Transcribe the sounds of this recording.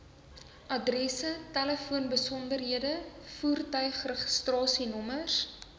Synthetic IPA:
ʔɐdrɛsətæləfuənbəsɔndərɦiədəfuːrtœɥχrəχəstrɑːsinɔməs

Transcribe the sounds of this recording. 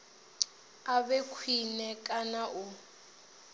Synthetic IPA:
abɛkʰwinɛkʼanaʔʊ

